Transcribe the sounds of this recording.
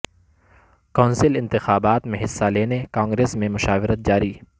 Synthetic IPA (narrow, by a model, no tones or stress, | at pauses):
kɔ̃ːnsɪlɪ̃nt̪ɪxaːbaːt̪mẽɦɪsːaleːnekãːŋɡɾeːsmẽmʊʃaːʋɪɾət̪̚d͡ʒaːɾiː